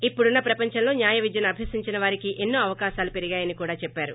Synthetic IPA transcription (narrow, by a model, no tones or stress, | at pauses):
ipːuɽunːɐpɾɐpɐɲt͡ʃɐmlo̞ːnjaːjɐʋid͡ʒ̪jɐnɐbʱjeːsiɲt͡ʃinɐʋaːɾikiʔe̞nːuːɐʋɐkaːʃaːlupe̞ɾiɡaːjɐnikuːɽaːt͡ʃɛpːaːɾu